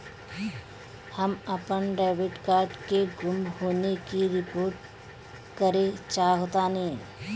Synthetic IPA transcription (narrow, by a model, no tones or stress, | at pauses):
həməpənɖaːʋɪʈkaːɾɖkeɡʊmɦoːnekiɾɪpoːɾʈ | kəɾet͡ʃaːɦoːt̪anɦeĩ